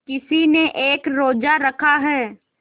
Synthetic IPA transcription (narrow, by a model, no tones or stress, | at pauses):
kɪsineʔeːkɾoːd͡ʒaɾɐkʰaɦɛː